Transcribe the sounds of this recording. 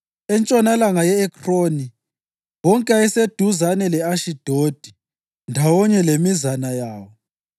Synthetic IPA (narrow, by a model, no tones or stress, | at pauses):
ɛnt͡ʃʼɔnalaŋajɛɛkʰroni | wɔŋkʼaɛsed̥ʱuzanɛlɛaʃid̥ʱod̥ʱi | ndʱawɔɲɛlemizanajaːwɔ